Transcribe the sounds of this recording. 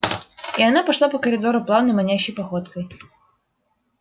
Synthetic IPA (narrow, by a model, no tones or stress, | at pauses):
ijanapaʂlˠapɐkɐɾɨd̪ɔɾʊplˠawnɐjmanʲaɕɐjpaxɔt̪kɐj